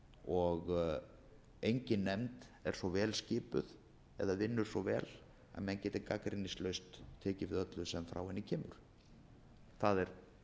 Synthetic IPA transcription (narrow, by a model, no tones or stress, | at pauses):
ɔɣ | ejɲcɪnːɛmt̪ɛɾ̥svɔvɛːlscɪːpʏ̰ð | ɛ̰ðavɪnːʏɾ̥svɔvɛ̰ːl | a̰ðmɛðncɛːt̪ɪkakɾɪnːɪslœɥst̪ʰːɛːcɪvɪðœt̪lʏsɛmfɾa̰wɛnːɪcʰɛːmʏ̰ɾ̥ | θaðɛɾ̥